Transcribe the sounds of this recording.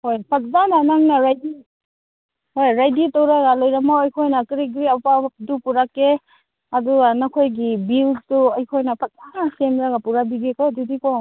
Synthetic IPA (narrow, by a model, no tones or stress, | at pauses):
hojpʰat̚zananaŋnaɾajdi | hojɾajditɔwɾaɡalojɾamawajkʰojnakɾiɡɾiapadupuɾake | adunakʰojɡibilstuajkʰojnapʰat̚zanasemɾaɡapuɾabiɡekɔdudikɔ